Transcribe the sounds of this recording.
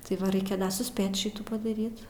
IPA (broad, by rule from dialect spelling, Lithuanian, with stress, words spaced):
tɐɪ ˈʋɐ ˈrʲɛɪkʲɛ sʊˈsʲpʲeːt ˈʃʲɪtuː pɐdɐˈrʲiːt